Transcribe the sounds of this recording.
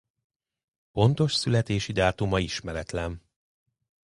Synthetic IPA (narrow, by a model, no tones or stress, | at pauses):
po̞nt̪o̞ʃsylɛt̪eːʃid̪aːt̪umɒiʃmɛɾɛt̪lɛn